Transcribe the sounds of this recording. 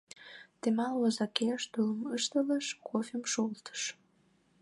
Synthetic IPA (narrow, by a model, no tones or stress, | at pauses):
t̪emɑlwozɑkeaʃd̪ulˠəməʃt̪ələʃkʰofʲemʃolt̪ə̥ʃ